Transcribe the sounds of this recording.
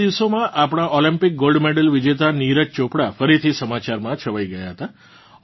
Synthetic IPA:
iʋsomãʔapɽ̃aʔɔlĩmpɪk̚ɡolɖmeɽəlʋid͡ʒet̪aniɾət͡ʃt͡ʃõpɽafəɾit̪ʰisəmat͡ʃaɾmãt͡ʃʰəʋajɡəjaɦət̪a

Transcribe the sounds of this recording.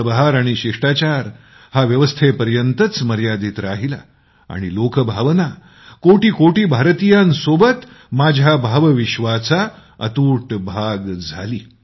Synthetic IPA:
əbəɦaɾaɽ̃iɕiʂʈat͡ɕaɾ | haʋjəʋəst̪ʰepəɾjənt̪ət͡sməɾjad̪iːt̪ɾaɦila̰ | a̰ɽ̃ilokəbʱaʋna | koʈiːkoʈiːbʱaɾt̪ijansobət̪ | mad͡ʑʱjabʱaʋəʋiɕʋat͡sa | ə̰t̪uːʈbʱaɡd͡zʱaliː

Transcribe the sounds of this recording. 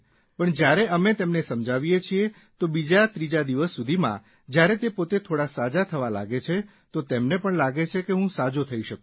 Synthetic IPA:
pəɳd͡ʒjaɾeʔəmet̪emnesəmd͡ʒaʋijet͡ʃʰie | t̪obid͡ʒat̪ɾid͡ʒad̪iʋəsːud̪ʱimã̰ | d͡ʒjaɾet̪epot̪et̪ʰoɽasad͡ʒat̪ʰəʋala̰ɡet͡ʃʰe | t̪ot̪emnepəɳlaɡet͡ʃʰekeɦũsad͡ʒot̪ʰəiʃəkũ

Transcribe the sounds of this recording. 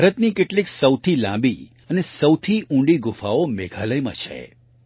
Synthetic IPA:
bʱaɾət̪nikeʈliksəwt̪ʰilã̰mbi | ənesəwt̪ʰiʔũɳɖiɡʊfaomeɡʱaləjmã̰t͡ʃʰḛ

